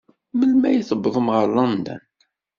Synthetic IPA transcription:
məlmæjiθəbːəðˤəmʁəɾlɑnd̪æ̰n

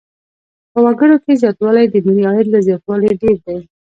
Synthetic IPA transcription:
pəwaɡəɽokezjɑt̪wɑlajd̪əniɾiɑɪɾlazjɑt̪wɑleɖeɾd̪aj

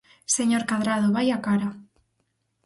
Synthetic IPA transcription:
seɲoɾkaðɾaðoβajakaɾa

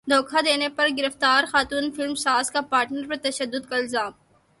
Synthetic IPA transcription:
d̪ʱoːkʰad̪eːnepɐɾɡɪɾəft̪aːɾxaːt̪uːnfɪlmsaːzkapaːɾʈnəɾpɐɾt̪ɐʃəd̪ːʊd̪̚kaɪlzaːm

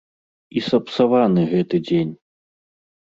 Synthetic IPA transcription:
isɐpsavanɨɣɛt̪ɨd͡zʲenʲ

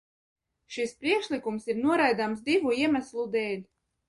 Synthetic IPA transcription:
ʃispɾiɛkʃlikumsiɾnuɔɾajd̪amsd̪ivuiɛmæslˠud̪ɛːlʲ

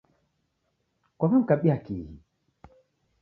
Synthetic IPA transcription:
kwamam̩kaɓiakihḭ

